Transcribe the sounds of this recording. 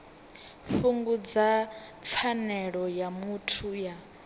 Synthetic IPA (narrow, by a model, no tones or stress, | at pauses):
fuŋɡud͡zap̪fʰanɛɺɔjamutʰuja